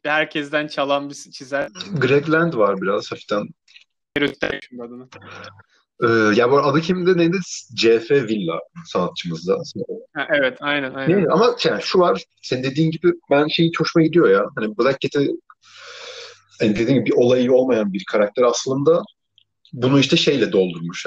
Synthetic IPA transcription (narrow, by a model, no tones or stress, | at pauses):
bhæɾcʰɛzd̪ænt͡ʃʰalˠanbisi̥t͡ʃʰizæɡɾɛɡ̪lʲænd̪vaɾbiɾaz̥hafi̥t̪ʰan | eɾyt̪lʲɛ̰ʃind̪ad̪ana | ɛːjaboɾad̪ɯcʰimind̪ɛned̪ɛd͡ʒefɛvilʲːa̰saːt̪̚t͡ʃʰɯmɯzd̪ashɛʔɛvɛt̪ʰajnænaj̪eʔamaʃanʃuvaɾ̥ | sennd̪e̞d̪iːnɟibibænʃe̞jit͡ʃʰoʃmaɟid̪ijo̞jaɦanibøzac̚ʰːet̪ʰɛ | hanid̪eiːmɟibibiʔo̞lˠajɯo̞lˠmajanbiɾkʰaɾak̚t̪ʰeɾaslˠɯnd̪a | bunuiʃt̪ʰɛʃe̞jlʲɛd̪o̞lˠd̪uɾmuʃ